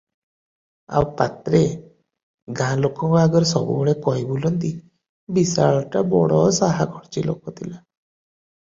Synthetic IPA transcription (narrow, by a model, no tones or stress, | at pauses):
a̰wpat̪ɾe | ɡãlokɔ̃ŋkɔaɡɔɾsɔbṵɡɔɭekɔɦjbulɔnt̪i | bisaɭɔʈabɔɽɔsaɦaɡʱɔɽt͡ʃilokɔt̪ʰila